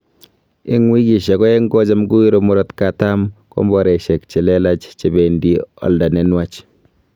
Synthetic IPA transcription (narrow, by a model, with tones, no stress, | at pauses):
ɪ˦ŋwi˦ki˨ʃɛ˨kɔ˦ɛ˦ŋɡɔ˦d͡ʒa˦mɡu˦i˦ɾo˦mɔ˦ɾɔ˦tka˨ta˦mkɔ̰˦mbɔ˨ɾɛ˨ʃɛ˨k̚t͡ʃe˨lɛ˦la˦t͡ʃt͡ʃe˨bɛ˨ndi˦ɔ̰˨lda˨nɛ˦nwa˦t͡ʃ